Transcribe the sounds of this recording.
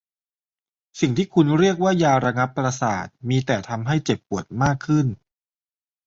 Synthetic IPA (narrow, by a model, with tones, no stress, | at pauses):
si˨˩ŋt̪ʰiː˥˩kʰu˧nɾi˥˩ək̚waː˥˩jaː˧ɾa˧ŋa˦˥pːɾa˧sa̰ː˨˩t̪̚miː˧t̪ɛː˨˩t̪ʰa˧mɦa˥˩jt͡ɕe˨˩pːu˨˩ət̪̚maː˥˩kʰːɯ˥˩n